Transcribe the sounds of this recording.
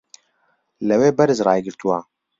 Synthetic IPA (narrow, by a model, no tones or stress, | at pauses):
lɛweːbɛɾɨzrɑːjɡɪɾt̪uwaː